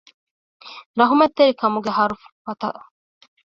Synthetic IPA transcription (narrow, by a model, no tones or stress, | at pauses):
ɾɐɦumɐt̪ːeɾikɐmuɡeɦɐɾuffɐt̪ɐ̰ʔ